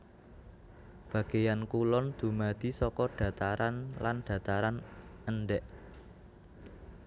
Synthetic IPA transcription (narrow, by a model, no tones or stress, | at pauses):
b̥ä̤ɡ̥ejankulɔnd̪̥ṳmad̪̥i̤sɔkɔɖ̥ä̤t̪aɾanlanɖ̥ä̤t̪aɾanənɖɛʔ